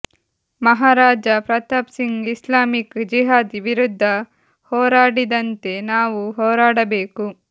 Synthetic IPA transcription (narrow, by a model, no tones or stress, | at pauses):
mɐɦaːɾaːd͡ʒɐpɾɐt̪ɐpsiŋɡislaːmikd͡ʒiɦaːd̪ʋiɾud̪ʱːɐ | hɔːɾaːɽid̪ɐnt̪e̞naːʋuɦɔːɾaːɽɐbeːku